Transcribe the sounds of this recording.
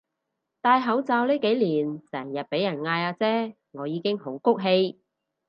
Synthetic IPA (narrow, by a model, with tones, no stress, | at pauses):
t̪aː˧jɦɐ˨˥wt͡saː˧wliː˥ke˨˥jliː˨˩nsɛː˨˩ŋjɐ˨t̚pe˨˥jɐ˨˩nŋaː˧jaː˧t͡sɛː˥ | ŋɔː˨˧jiː˨˧kɪ˥ŋho˨˥wkʊ˥k̚ɦe˧j